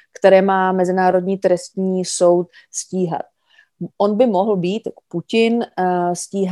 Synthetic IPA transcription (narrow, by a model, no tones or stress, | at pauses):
kt̪ɛɾɛːmaːmɛzɪnaːɾo̞dɲiːt̪ɾɛst̪ɲiːso̞wt̪sciːɦa̰t̪̚ | ʔonbɪmoɦl̩biːt̪jako̥pucɪnsciːɦ